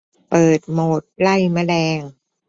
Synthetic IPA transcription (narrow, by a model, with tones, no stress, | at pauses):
pɤː˨˩t̪̚moː˨˩t̪̚la˥˩jma˧˥˩lɛː˧ŋ